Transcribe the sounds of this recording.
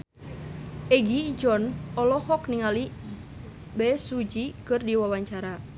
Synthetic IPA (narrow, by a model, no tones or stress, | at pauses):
ɛɡid͡ʒɔnɔlɔhɔkniŋali | bɛsud͡ʒikɨrdiwawaɲt͡ʃaɾa